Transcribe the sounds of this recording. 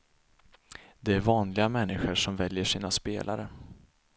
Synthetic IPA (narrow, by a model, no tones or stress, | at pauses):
d̪ɛæɾvɑːnlɪɡamɛnːɪɧəʂɔmvɛljəʂiːnaspḛːlʔa̰ɾə